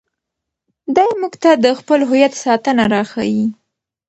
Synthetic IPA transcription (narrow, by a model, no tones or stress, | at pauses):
d̪ɑjmuɡt̪ad̪əxpəlɦʊjat̪sɑt̪ənaɾɑxa̰wi